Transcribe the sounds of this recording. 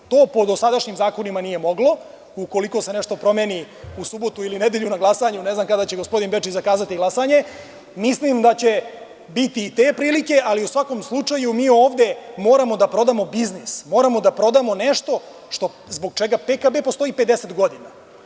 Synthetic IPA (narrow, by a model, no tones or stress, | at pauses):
t̪o̞ːpo̞d̪osad̪aʃɲimzaːko̞nimanije̞mo̞ɡlo̞ | uko̞liko̞se̞neʂt̪o̞pɾo̞meːni | usubo̞t̪uilined̪e̞ʎunaɡlˠasaɲuneznamkad̪at͡ɕe̞ɡo̞spo̞d̪inbet͡ʃit͡ɕzakaːzat̪iɡlasaɲe̞ | mislimd̪at͡ɕe̞ | bit̪iːt̪e̞ːpɾiːlike̞ʔaliusʋako̞mslˠut͡ʂajumiːo̞ːʋd̪e̞mo̞ːɾamo̞d̪apɾo̞d̪amo̞biznismo̞ːɾamo̞d̪apɾo̞d̪amo̞neʃt̪o̞ | ʂt̪o̞ | zbo̞ɡ̚t͡ʃeɡapekabe̞po̞st̪o̞ipe̞d̪eset̪ɡo̞d̪ina